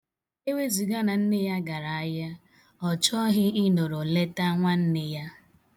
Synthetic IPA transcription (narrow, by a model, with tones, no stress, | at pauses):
e˦wʷe˦zi˨ɡa˦na˨n̩˦nɪ˦ja˦ɡa˨ɾa˨a˦ja˦ | ɔ˨t͡ʃɔ˦ɦɪ˦i˦no˨ɾo˨le˦ta˦ŋʷa˦n̩˦nɪ˦ja˦